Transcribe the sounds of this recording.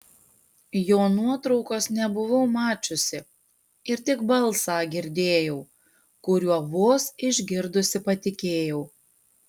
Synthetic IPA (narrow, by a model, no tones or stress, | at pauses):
joːnuɔt̪ɾɒʊkoːsnʲɛbʊʋɐʊmɑːt͡ʃʲʊsʲɪ | ɪɾt̪ʲɪɡbɐlˠˑsɑːɡʲɪɾʲd̪ʲeːjɛʊ | kʊɾʲuɔʋoːsɪʒʲɡʲɪɾd̪ʊsʲɪpɐt̪ʲɪkʲeːjɛʊ